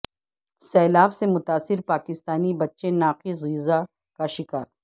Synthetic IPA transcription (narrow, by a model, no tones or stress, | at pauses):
sɛːlaːbsemʊt̪aːsːɪɾpaːkɪst̪aːnibɐtːʃenaːqizɣiːza | kaʃɪkaːɾ